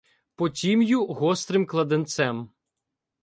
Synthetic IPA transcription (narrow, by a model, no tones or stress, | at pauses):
pɔtʲimjuɦɔst̪ɾɪmklˠɐd̪ɪnt̪sɛm